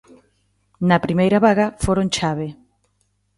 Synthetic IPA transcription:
nɐpɾimejɾɐβaɣɐfoɾont͡ʃaβe

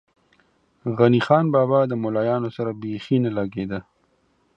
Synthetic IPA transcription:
ɣanixɑːnbɑːbɑd̪əmolɑːjɑːnosaɾabexinalaɡed̪ə

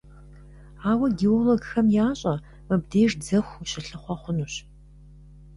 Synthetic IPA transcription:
aːwɐɡioloɡxɐmjaːɕʼɐ | mɨb̚deːʒd͡zɐxʷɕɪɬɨχʷɔχʷʊnuːɕ

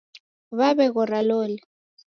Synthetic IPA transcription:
βaβɛɣ̬ʊraloːli

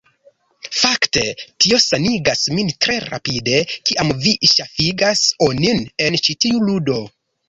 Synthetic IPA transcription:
fakte̞tio̞saniɡasmintɾe̞ɾa̰pide̞kiʔamviʃafiɡasonine̞nt͡ʃitiuludo̞

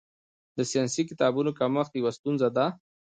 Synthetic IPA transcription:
d̪əsijɑnsikɪt̪ɑbunokaməxt̪jawast̪unzad̪a

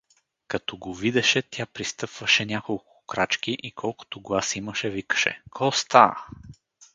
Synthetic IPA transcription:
kɐt̪ɔɡovid̪ɛʃɛt̪ʲjapɾist̪ɤpvəʃɛnʲakolˠkʊ̥kɾat͡ʃk̟iʔikʰɔlˠkʊ̥t̪oɡlˠasiməʃɛvikə̥ʃɛ̰kʰɔst̪a

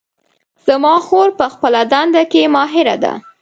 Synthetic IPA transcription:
z̥amɑxoɾpəxpəlad̪and̪akemɑɦɪɾa̰d̪a̰

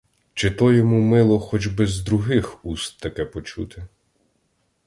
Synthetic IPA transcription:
t͡ʃɪt̪ɔjɔmumɪlˠɔxɔd͡ʒbɛzd̪ɾʊɦɪxust̪ːɐkɛpɔt͡ʃṵt̪ɪ

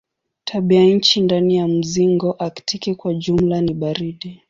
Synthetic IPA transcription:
tʰaɓiaɲ̩t͡ʃindanijam̩ziŋɡɔʔaktikɛkwad͡ʒum̩laniɓaɾiɗi

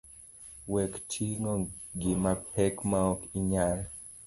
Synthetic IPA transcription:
wɛktʰiŋɔɡɪmapʰɛkmaɔkiɲal

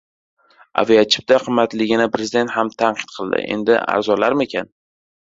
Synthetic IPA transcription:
a̰vijat͡ʃʰɪ̥p̚t̪aqʰɨmːat̪lɪɡʲɪnɪpʰɾezɪd̪e̞nt̪hamt̪ʰanqʰɨ̥t̪̚qʰɨlˠd̪ɪ̰ʔe̞̰nd̪ɪ̰a̰ɾzɒlaɾme̞kʲʰan

